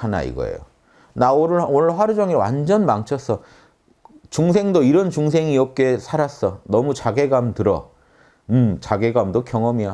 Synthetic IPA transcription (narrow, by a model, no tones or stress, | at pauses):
ana̰ḭɡʌ̰ḛjo̰ | naoɾɯɭonɯɭɸwaɾud͡ʑʌŋiɾwa̰nd͡ʑʌnmaŋt͡ɕʰʌs͈ʰʌ | t͡ɕuŋsʰe̞ŋdoiɾʌnt͡ɕuŋs̬ʰeŋiʌp̚k͈e̞sʰaɾas͈ʌnʌmut͡ɕaɡe̞ɡamtɯɾʌ̰ | ɯmt͡ɕaɡe̞ɡamdokjʌŋʌmia